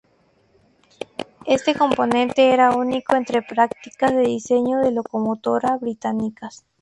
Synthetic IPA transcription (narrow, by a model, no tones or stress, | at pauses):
e̞st̪eko̞mpo̞nẽ̞nt̪e̞eɾauniko̞e̞nt̪ɾe̞pɾakt̪ikazðeðise̞ɲoðelo̞komot̪o̞ɾaβɾit̪anikas